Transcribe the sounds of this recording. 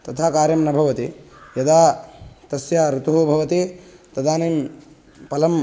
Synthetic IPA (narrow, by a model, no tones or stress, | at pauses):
t̪ɐt̪ʰaːkaːɾjɐmnɐbʱɐʋɐt̪ijɐd̪aːt̪ɐsjaːɾut̪uɦubʱɐʋɐt̪it̪ɐd̪aːnim | pɐlɐm